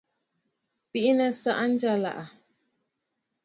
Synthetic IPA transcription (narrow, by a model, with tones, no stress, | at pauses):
pi˦ʔi˦nə˦sa˦ʔa˦n̩˦d͡ʒa˦la̰˨ʔa˨